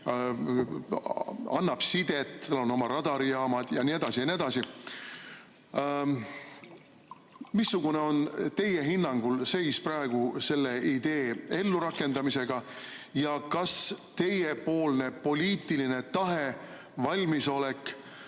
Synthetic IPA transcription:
ɑ̰nːɑb̥sid̪̥e̞t̪ːɑlːo̞no̞mɑɾɑd̪̥ɑɾiɑːmɑd̪̥jɑnie̞d̪̥ɑsijɑnie̞d̪ɑsi | misːuɡ̥une̞o̞nt̪e̞jeɦinːɑŋɡ̥ulse̞jsprɑeɡ̥use̞lːe̞id̪̥e̞ːe̞lːuɾɑkːˑe̞nd̪ɑmise̞ɡ̥ɑ | jɑkɑst̪e̞je̞po̞ːlne̞po̞lʲiːt̪ˑiline̞t̪ɑɦe̞ | vɑlʲmiso̞lekːˑ

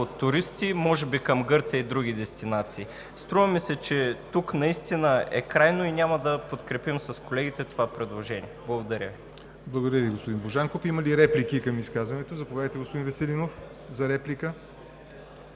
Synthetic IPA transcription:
ot̪ːʊɾist̪imɔʒɛbikəmɡɤɾt̪sʲəid̪ɾuɡ̟id̪ɛst̪inat̪siː | st̪ɾuvɐmisɛt͡ʃɛt̪uknɐist̪inəɛ̰kɾajnoinʲamɐd̪ɐpot̪kɾɛpimsɐskolɛɡit̪ɛt̪ovapɾɛd̪lˠoʒɛnḭɛblˠɐɡod̪ɐɾʲə̰vi | blˠɐɡod̪ɐɾviɡospod̪inboʒaŋkofimɐliɾɛplik̟ikɐmiskazvɐnɛt̪ozɐpovjad̪əjt̪ɛɡospod̪invɛsɛlinof | zɐɾɛplikə

